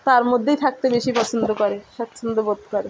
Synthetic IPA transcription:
t̪aɾmod̪ʱːejt̪ʰak̚t̪ebeʃipɔt͡ɕʰond̪ʱokɔɾeʃat̪ːʃʰond̪obod̪̚kɔɾe

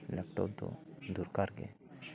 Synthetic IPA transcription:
lɛk̚ʈo̰bd̪o̰d̪uːɾkaɾɡḛ

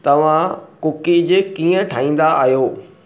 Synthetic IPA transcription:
t̪ɐʋ̤ãkʊkid͡ʑekiːə̃ʈʰaːĩːn̆d̪aʔa̰ːɦjoː

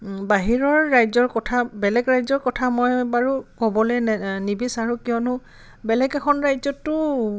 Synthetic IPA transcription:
baɦiɹɔɹːajzɔɹkɔtʰabɛlɛɡɹajzɔɹkɔtʰamɔjbaɹukɔbɔlɛnibisaɹũkijɔnʊ | bɛlɛɡɛkʰɔnɹajzɔtːʊ

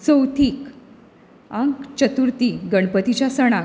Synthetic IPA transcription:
t͡səwt̪ʰiːk | ãŋkt͡ɕət̪uɾt̪iɡəɳ̃pət̪it͡ɕjasəɽ̃a

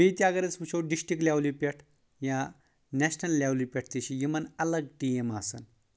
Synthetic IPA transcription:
it̪jaɡɐɾet͡spuɕʰowɖisʈɾiklʲjawlipʲeʈʰ | ja | nɛɕnɐlːawlipʲeʈ̚ʰt̪iɕijimɐnɐləɡ̚ʈiemasə̰n

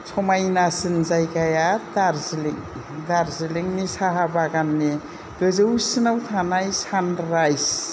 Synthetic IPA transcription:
sʰɔmajnasinzajɡajadaɾziliŋ | daɾziliŋnisaɦabaɡanːe | ɡɯzɯsinawtʰanajsanɾajs

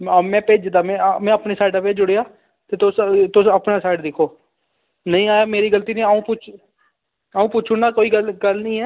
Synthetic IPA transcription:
mɛ̃ːpeːd͡ʒd̪aːmɛ̃ːmɛ̃ːəpneːsaːɪʈəped͡ʒʊɽeːaː | t̪eːt̪ʊst̪ʊsəpnaːsaːɪʈd̪ɪkʰːoː | nəĩːaːjaːmeːɾiːɡəlt̪iːnĩːaːũːpʊt͡ʃʰ | aːũːpʊːt͡ʃʰʊnaːkoːiːɡəlɡəlnĩːɛː

